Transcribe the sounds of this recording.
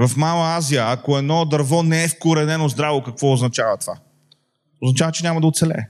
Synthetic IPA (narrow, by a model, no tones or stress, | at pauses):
vɐfmalˠəazijəːkoɛd̪nɔd̪ɐɾvɔnɛɛfkoɾɛnɛnozd̪ɾavokɐkvɔʊznɐt͡ʃavɐt̪ova̰ | ʊznɐt͡ʃavət͡ʃɛnʲamɐd̪ɐot̪sɛlɛ̰